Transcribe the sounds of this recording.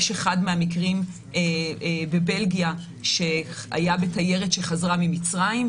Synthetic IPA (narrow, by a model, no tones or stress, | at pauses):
ʃeχadmeamikʁim | ebe̞be̞lɡija | ʃe̞a̰jabe̞taje̞ʁetʃe̞χazʁamimit͡sʁaim